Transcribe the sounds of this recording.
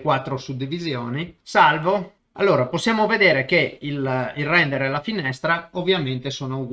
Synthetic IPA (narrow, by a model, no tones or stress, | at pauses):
kwat̪ːɾosud̪ːivizjoːnisalvo | a̰lːoːɾaposːjaːmoved̪eːɾekeililrɛnd̪eɾelafinɛst̪ɾaovːjament̪esoːnouɡ